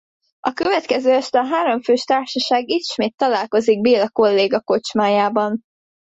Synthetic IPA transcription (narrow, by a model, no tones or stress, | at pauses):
ɒkøvɛt̪kɛzøːɛʃt̪ɒɦaːɾo̞ɱføːʃt̪aːrʃɒʃaːɡit̪ʃmeːt̪ːɒlaːlko̞ziɡ̚beːlɒko̞lːeːɡɒko̞t͡ʃmaːjaːbɒn